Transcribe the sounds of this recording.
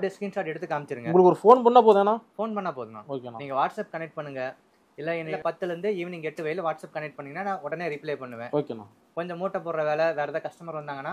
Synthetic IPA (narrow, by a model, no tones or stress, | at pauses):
ɐpːɐɽɪjɐskɾiːnsaːʈɛɽɯt̪ːɯkaːmɪt͡ʃːɪɾɯŋɡɐʊŋɡɐɭɯkːɔɾɯfoːnpɐɳːaːp̬oːðɯŋɡɐnãːfoːnpɐɳːaːpoːðɯŋã̰ːoːkeãiːŋɡɐʋaːʈsɐp̚kɐnɛk̚ʈ̚pɐɳːɯŋɡɐ | ɪlːɐɛnːlpɐt̪ːɯlɾɯnd̪ɯiːʋniːŋɡɐɛʈːɯʋɐjɪlʋaːʈsɐːp̚kɐnɛk̚ʈ̚pɐɳːɯŋɡɐnaːnãːɔɽɐneːɾɪpleːpɐɳːɯʋẽːoːkeːnã̰ː | kɔɲd͡ʒɔmuːʈːɐp̬oːɾɾɐʋeːlɛʋeːɾɐðãːkɐʂʈɐmaːɾʋɐnd̪aːŋɡɐnːaː